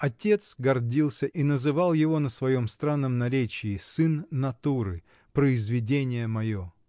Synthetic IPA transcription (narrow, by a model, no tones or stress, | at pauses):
ɐtʲe̞t̪sɡɐrdʲilˠsʲəʔinəzɨvalˠjɪvo̞nəsvɐjomst̪ɾanːəmnɐɾʲet͡ɕɪːsɨnːɐt̪uɾɨ̰ | pɾəɪzvʲɪdʲenʲɪjəmɐjo